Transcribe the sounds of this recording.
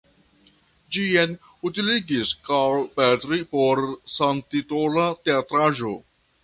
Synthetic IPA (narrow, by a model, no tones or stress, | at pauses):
d͡ʒien | utiliɡiskalpetɾipoɾsantitolateatɾaʒo̞